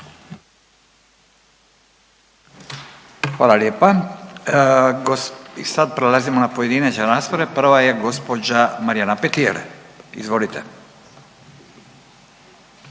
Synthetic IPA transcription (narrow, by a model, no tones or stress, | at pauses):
xʋaːlaljeːpa | ɡoisad̪̚pɾelazimonapojed̪inet͡ɕeɾast̪oɾepr̩ʋajeɡo̞spod͡ʑamaɾijanapet̪iḛlḭzʋo̞lit̪ʰɛ